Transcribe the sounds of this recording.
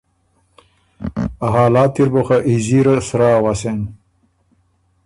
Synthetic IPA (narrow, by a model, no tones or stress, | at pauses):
aɦaːlaːt̪iɾboxaʔiziɾɐsɾaːwasen